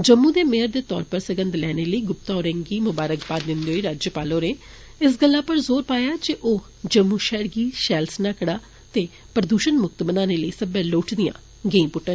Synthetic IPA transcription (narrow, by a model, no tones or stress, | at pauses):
d͡ʒəmːũːd̪eːmeɦəɾd̪eːt̪ɔ̰ːɾpəɾsəɡə̃nd̪lɛːneːləiːɡʊp̚t̪aːoːɾɛ̃ːŋɡiːmʊbaːɾəkbaːd̪d̪ɪnd̪eɦoːiːɾaːd͡ʒjəpaːloːɾeː | ɪs̬ɡəlːaːpəɾzoːɾpaːjaːd͡ʒeʔoː | d͡ʒəmːuːʃɛːɾɡiːʃɛːlsnaːkɽaː | t̪eː | pɾəd̪uːʃənmʊk̚t̪mənaːneːləiːsəbɛːloːʈʰd̪ɪjã̰ː | ɡeiːpʊʈːə